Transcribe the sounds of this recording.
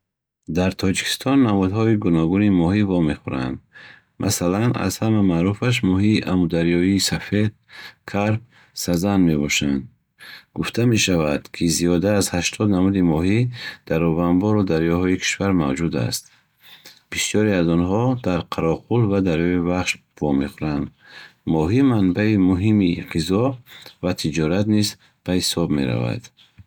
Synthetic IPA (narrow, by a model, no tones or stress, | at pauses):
d̪aɾt̪ʰɔd͡ʒikʰi̥st̪ʰɔnːamud̪ɦɔiɡunɔɡunimɔɦivɔme̞χuɾa̰nd̪ | mʔa̰salana̰zhamamaɾufaʃ̬mɔɦiːʔamud̪aɾjɔiːsafe̞d̪̚kʰaɾb̚ | sazanme̞bɔʃand̪ | ɡuft̪ʰame̞ʃavad̪̥kʰiziɔd̪aːzhaʃt̪ʰɔd̪namud̪imɔɦid̪̥aɾɔvanbɔɾɔd̪aɾjɔɦɔikʰi̥ʃvaɾma̰vd͡ʒud̪a̰st̪ | b̥isjɔɾiazɔnɦɔd̪aɾqʰaɾɔqulvad̪aɾjɔivaχʃ | v̥ɔmeχuɾand̪ | mɔɦimanbaimuɦimiqizɔvat̪ʰid͡ʒɔɾat̪niz | b̥ahisɔbme̞̰ɾa̰va̰d̪̥